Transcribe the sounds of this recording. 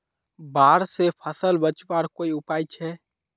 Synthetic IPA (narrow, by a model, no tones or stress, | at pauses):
baːɾsepʰəsəlbət͡ʃbaːɾkoːiʊpaːjt͡ʃʰɛː